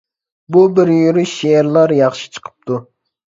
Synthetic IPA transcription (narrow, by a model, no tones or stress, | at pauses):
bubɪɾjyɾyʃʃeeɾlˠɑɾjɑχʃi̥t͡ʃʰə̥qʰə̥p̚t̪ʰu